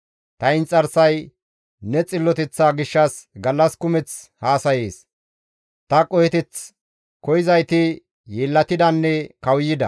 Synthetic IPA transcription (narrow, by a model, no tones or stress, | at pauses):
t̪ɐɪnt͡sʼɐɾsɐj | nɛt͡sʼɪlːɔt̪ɛt͡sːaːɡɪʃːɐsɡɐlːɐskʊmɛt͡s | haːsɐjeːs | t̪ɐkʼɔjɛt̪ɪt͡s | kɔjɪzɐjt̪ɪ | jeːlːɐt̪ɪd̪ɐnːɛkɐwjːɪd̪ɐ̰